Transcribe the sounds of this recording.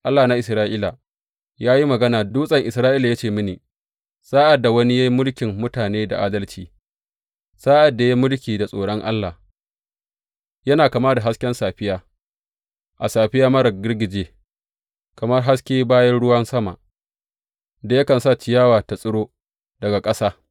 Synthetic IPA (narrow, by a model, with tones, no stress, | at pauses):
ʔa˦lːaː˨na˦ʔɪ˨sɾaː˦ʔiː˦la˨ | jaː˦ji˦mɐ˨ɡɐ˦naː˨duː˦sʼɐ˨ŋʔɪ˨sɾaː˦ʔiː˦la˨ja˦t͡ʃeː˨mɪ˦niː˨ | saː˦ʔa˨dːa˨wɐ˦ni˦ja˦ji˦mʊ˦lkʲɪ˨mːʊ˦taː˨neː˦da̰˨ʔaː˦dɐ˦lt͡ʃiː˨ | saː˦ʔa˨dːa˨ja˦mʊ˦lkʲiː˨da˨sʼoː˨ɽɔ˦ŋʔa̰˦lːaː˨ | jɐ˦naː˨kɐ˨maː˦da˨ɦa˦skʲɛ˦nsaː˨ɸɪ˦jaː˦ | ʔa˨saː˨ɸɪ˦jaː˦mɐ˦ɾɐ˨ɡʲɪ˦rɡʲɪ˨d͡ʒeː˦ | kɐ˨mɐ˦rɦa˦skʲeː˦baː˦jɐ˦nɽʊ˦wɐ˦nsɐ˦ma̰˨ | da˨jɐ˦kɐ˨nsa˦˨t͡ʃɪ˨jaː˦waː˨ta˨sʼʊ˦ɽoː˦ | dɐ˨ɡa˨kʼɐ˦saː˦